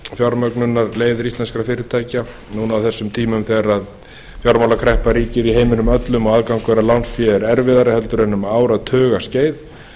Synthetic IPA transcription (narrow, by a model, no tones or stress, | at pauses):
fjɔɾmœknʏnːaɾleːjðʏɾist̪lɛnskɾafɪːɾɪɾt̪ʰaːjca | nuːnawθɛsːʏmt̪ʰiːmʏmθɛaɾað | fjɔɾmawlakʰɾɛhpaɾiːcɪɾiɦeːjmɪnʏmœt̪lʏmɔaðkawŋkvɛɾalawnsfjɛɛɾɛɾvɪðaɾɪhɛlt̪ʏɾɛnːʏmaːwɾaðt̪ʰœːɣasceːjð